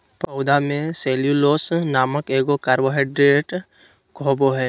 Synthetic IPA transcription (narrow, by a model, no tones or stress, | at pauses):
pəʊd̪amẽseːljuloːsnaːməkeːɡokaːɾboɦeɖɾeːʈ | ɡʱoːboɦɛː